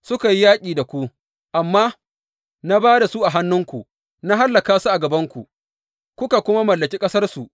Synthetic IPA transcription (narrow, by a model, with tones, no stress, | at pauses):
sʊ˦ka˨ji˦jaː˦kʲʼiː˨da˨kʷu˦ | ʔa˨mːaː˦ | na˦baː˦da˨su˦ʔa˨ɦa˦nːʊ˦ŋkʷu˨ʔ | na˦ɦa˦lːɐ˨kaː˦su˦ʔa˨ɡɐ˨bɐ˦ŋkʷu˨ʔ | kʷʊ˦ka˨kʷʊ˦ma˦mɐ˨lːɐ˨kʲiː˦kʼɐ˦sɐ˦rsu˨ʔ